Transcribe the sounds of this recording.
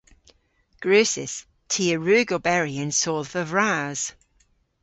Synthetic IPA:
ɡ̥ɹʉːˑsɪ̰s | tʰiːəɹʉːɡobɛɹiə̃nsɔːlˠvəvɹaːz̥

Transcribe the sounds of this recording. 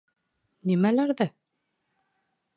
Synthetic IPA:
nimælæɾðæ

